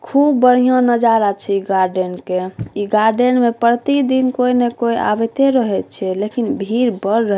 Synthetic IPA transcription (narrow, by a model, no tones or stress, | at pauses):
kʰubːəɽ̤ijõnəd͡ʒaɾat͡ʃʰɛiɡaɾɖenkeiɡaɾɖenmepəɾt̪id̪inkoinekoiʔa̰bet̪eɾəɦɛt̪̚t͡ʃʰɛlekinbʱiɾbəɾːəɦ